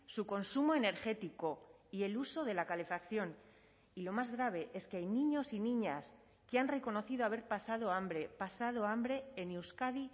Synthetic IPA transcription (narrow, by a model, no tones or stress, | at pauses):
suko̞nsumoe̞ne̞ɾxe̞t̪iko̞ie̞luso̞ðe̞lakale̞fakθjo̞n | ilo̞mazɣɾaβ̞e̞ʔe̞skeajnĩɲo̞sinĩɲas | keanre̞ko̞no̞θiðoaβ̞e̞ɾpasað̞o̞ambɾe̞pasað̞o̞ambɾe̞ːnewskaði